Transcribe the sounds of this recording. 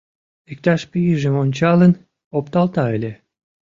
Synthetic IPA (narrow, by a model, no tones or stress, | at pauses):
ek̚t̪ɑʃpyjiʒemonʲt͡ɕɑlən | op̚t̪ɑlt̪ɑelʲe